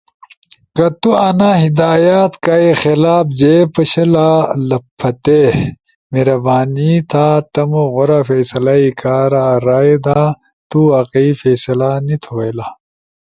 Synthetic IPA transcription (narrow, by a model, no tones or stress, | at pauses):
kɐt̪uɐnaːɦid̪aːjaːt̪kaexelaːbd͡ʑeːpɐɕɐlalɐpʰːɐt̪e | meɾɐbaːnit̪ʰaːt̪ɐmoɣoɾafeːsɐlaikaːɾaɾaːed̪aː | t̪uɐqifeːsɐlaːnit̪ʰuwɐjlaː